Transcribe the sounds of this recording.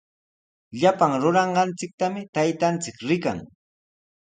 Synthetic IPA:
ʎapaŋɾʊɾɑɴɢɑnt͡sɪk̚t̪amɪt̪ajt̪ant͡sɪkɾɪka̰ŋ

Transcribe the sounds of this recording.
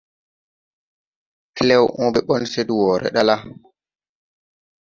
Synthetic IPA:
klɛwʔɔɓɛɓɔnseduwɔːɾʔɛ̰ɗala

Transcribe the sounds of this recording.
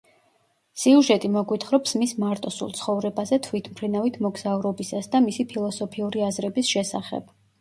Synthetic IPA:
siuʒɛt̪ʼimɔɡwit̪ʰχɾɔpsmismaɾt̪ʼɔsṵlˠt̪sʰχɔvɾɛbazɛt̪ʰvit̪ʰmpʰɾinavit̪ʰmɔɡz̥auɾɔbisasd̪amisipʰilˠɔsɔpʰiuɾiazɾɛbisʃɛsa̰χɛ̰b̥

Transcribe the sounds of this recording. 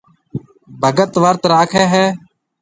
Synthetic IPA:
bʱəɡət̪ʋəɾt̪ɾaːkʰɛːɦɛː

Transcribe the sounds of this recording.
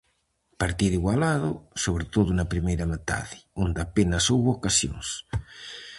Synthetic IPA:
paɾt̪iðiɣwalaðosoβɾet̪oðʊnapɾimejɾamet̪a̰ðɪ̥ond̪apenɐsowβokasjo̰ŋs

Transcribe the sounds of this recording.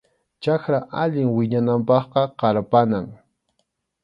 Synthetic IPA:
t͡ʃaxɾaʔaʎɪŋwɪɲanampɑχqɑqɑɾpanaŋ

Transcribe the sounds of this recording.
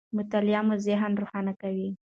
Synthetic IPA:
mʊt̪aljɑmuzɪɦanɾuxɑnakawi

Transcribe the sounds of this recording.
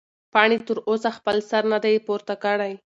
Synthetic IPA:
pɑɳet̪əɾosaxpəlsaɾnad̪ajpoɾt̪akəɽaj

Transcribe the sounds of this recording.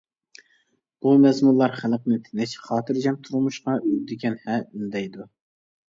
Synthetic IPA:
b̥umɛzmunlˠɑɾχælqnɨt̪ʰɪnɪt͡ʃχɑːt̪ʰɨɾd͡ʒɛmt̪ʰuɾmuʃqɑyd̪ɪkʲʰɛnhɛynd̪ɛjd̪u

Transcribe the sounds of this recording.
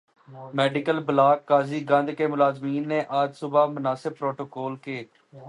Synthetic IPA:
mɛːɖɪkəlbəlaːkːaːziːɡə̃nd̪keːmʊlaːzmiːnːeːʔad͡ʒsʊbaːmʊnaːsɪb̚pːɾoːʈoːkoːlkeː

